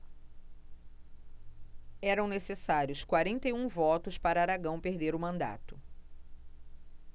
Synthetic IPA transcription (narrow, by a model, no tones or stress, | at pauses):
ɛɾɐ̃w̃nesesaɾjʊskwaɾẽnt̪ejũvɔt̪ʊspaɾɐaaɾaɡɐ̃w̃peɾd̪eɾʊmɐ̃nd̪a̰t̪ʊ̥